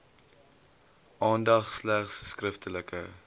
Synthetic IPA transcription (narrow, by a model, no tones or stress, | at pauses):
ʔɑːndɐχslæχsskrəftələkə̰